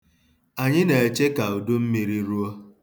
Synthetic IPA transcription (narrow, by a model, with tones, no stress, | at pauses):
a˨ɲɪ˦ne˨e˨t͡ʃe˦ka˨u˨du˦m̩˦mi˨ɾi˦ɾu˦o˦